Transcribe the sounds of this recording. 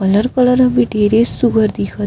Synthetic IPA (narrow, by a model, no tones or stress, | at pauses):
ələɾkələɾɐbiʈeːɾessuɡʱəɾd̪ikʰə